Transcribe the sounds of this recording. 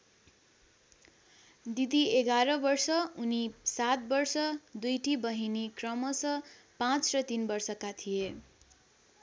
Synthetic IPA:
d̪id̪ieɡaɾʌbʌrsʌunisat̪̚bʌrsʌd̪ujʈibʌɦinikrʌmʌsʌ | pãt͡srʌt̪inbʌrsʌkat̪ʰije

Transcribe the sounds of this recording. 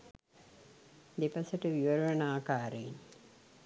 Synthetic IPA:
d̪epasəʈəʋiʋəɾɐʋɐnaːkaːɾein

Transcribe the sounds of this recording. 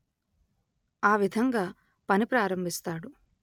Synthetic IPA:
aːʋid̪ʱɐŋɡaː | pɐnipɾaːɾɐmbʱist̪aːɽu

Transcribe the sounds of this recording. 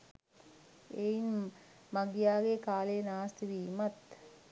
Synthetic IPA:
ein | maɡijaːɡekaːlenaːst̪iʋiːmat̪

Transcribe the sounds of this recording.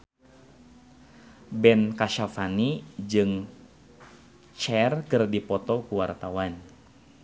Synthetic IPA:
bɛnkaʃafanid͡ʒɨŋ | t͡ʃɛrkɨrdipɔt̪ɔkuwart̪awan

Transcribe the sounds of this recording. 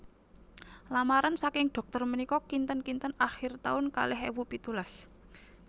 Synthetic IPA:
lamaɾansakɪŋɖ̪̥ɔ̤k̚t̪ɔrmənikɔkint̪ənkint̪ənaxɪrt̪a̰ʊnka̰lɛɦewupit̪ulas

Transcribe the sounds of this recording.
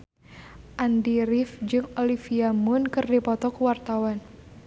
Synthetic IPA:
ʔandiɾifd͡ʒɨŋolifiamʊnkɨrdipɔt̪ɔkuwart̪awan

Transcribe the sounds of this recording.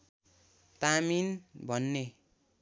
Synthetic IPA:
t̪aminbʱʌnːe

